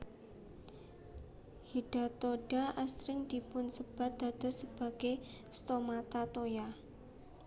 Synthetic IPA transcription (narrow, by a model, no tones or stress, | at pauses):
hiɖ̥a̤t̪oɖ̥aʔasɾɪŋd̪̥ipʊnsəb̥a̤t̪̚d̪̥a̤d̪̥a̤səb̥a̤ɡ̥e | st̪omat̪at̪oja